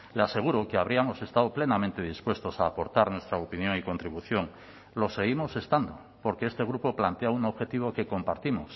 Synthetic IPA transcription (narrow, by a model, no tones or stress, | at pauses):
lease̞ɣ̞uɾoke̞aβ̞ɾiamo̞se̞st̪aðople̞namẽnt̪e̞ð̞ispwe̞st̪osaːpo̞ɾt̪aɾnwe̞st̪ɾaopinjo̞ŋiko̞nt̪ɾiβ̞uθjo̞ŋ | lo̞se̞ɣ̞imo̞se̞st̪and̪o | po̞ɾkeest̪e̞ɣ̞ɾupo̞plant̪eaunoβxe̞t̪iβ̞oke̞ko̞mpaɾt̪imo̞s